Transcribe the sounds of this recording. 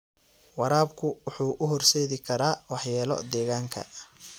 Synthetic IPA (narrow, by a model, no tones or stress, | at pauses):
wɑɾaːbkʰʊwʊħuːʔʊɦɔrsɛːðɪkʰɐɾaːwɑħjaːlɔ̰d̪ɛːɣaːŋkʰɐ̰